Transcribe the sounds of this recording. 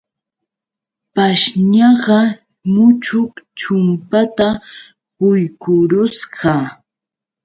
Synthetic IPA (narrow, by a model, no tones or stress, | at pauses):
paʃɲɑɢɑ | mʊt͡ʃʊkt͡ʃʊmpat̪a | ʊjkʊɾʊsɢɑ